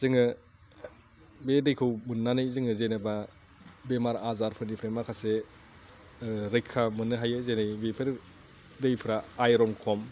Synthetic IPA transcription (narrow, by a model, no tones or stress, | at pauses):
zɯŋɯ | bedejkʰɯwmunːanɯjzɯŋɯzenɯba | bemaɾazaɾpʰɯɾnipʰɾemakʰase | ɾɯjkʰːamɯnːɯɦajɯzenɯjbepʰɯɾ | dejpʰɯɾaːjɾɔŋkʰɔm